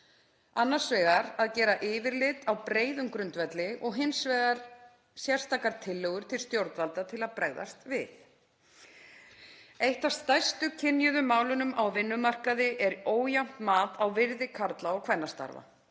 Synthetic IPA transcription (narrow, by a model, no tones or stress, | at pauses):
anːar̥svɛːɣaɾaðcɛːɾaʔɪːvɪɾlɪt̪awpɾeːjðʏmkɾʏnt̪vɛt̪lɪʔɔɣɦɪnsvɛːɣaɾ̥ | sjɛr̥st̪aːkaɾ̥t̪ʰɪlːœɣʏɾ̥t̪ʰɪlst̪jowɾt̪valt̪at̪ʰɪlaðpɾɛɣða̰st̪vɪθ | ejht̪ast̪ajst̪ʏcʰɪnjʏðʏmaːwlʏnʏmʔawvɪnːʏmar̥kaðɪʔɛɾoːwjam̥t̪maːt̪awvɪɾðɪkʰaɾt̪laɔɣkʰvɛnːast̪a̰ɾva̰